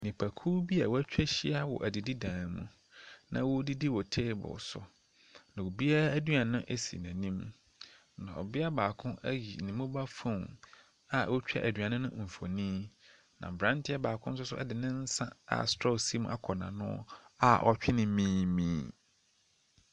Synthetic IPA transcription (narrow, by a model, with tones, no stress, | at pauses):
nɪ̃˨pʰæ˨kʰuː˦bi˦a˨wɔ˦æ˦t͡ɕᶣɛ˦ɕi˦a˦wɔ̰˨ʔæ˨di˨di˦dãː˨n˨mṵ̃˨ | nã̰˨wo˦di˦di˦wɔ˨tʰeː˦bʊ̰˨sʊ̰˨ | nã˨wo˨bi˦a˦æ˦du˦a˨nʊ̃˦ʔe˦sḭ˨næ̃˨nĩ˦m | nã˨ɔ̰˨bɪ˦a˦baː˨kʰʊ̃˦ʔæ̰˦ji˨nɪ̃˨mʊ̃˦ba˦fõ˦˨n | a˨ɔ˦t͡ɕᶣɛ̰˦ʔæ˨dɥa˨nʊ̃˦nʊ̰̃˦m̩˨fo˨nĩː˦ | nã̰˨bɾã˦ntʰɪ˦a˦baː˨kʰʊ̃˦n˦sʊ˦sʊ˦ɛ̰˦dɪ˨nɪ̃˦n̩˦sã˦a̰˨stɾɔ˦si˦mũ˦ʔa˦kʰɔ˨nã̰˨nʊ̰̃˦a˨ʔɔ˦t͡ɕᶣɪ˦nɪ̃˦mĩː˦mĩː˦